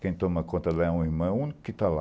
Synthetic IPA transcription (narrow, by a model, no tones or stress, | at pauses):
kẽj̃t̪õmɐkõt̪ɐlaɛũiɾmɐ̃w̃ũnikʊ̥kɪt̪ala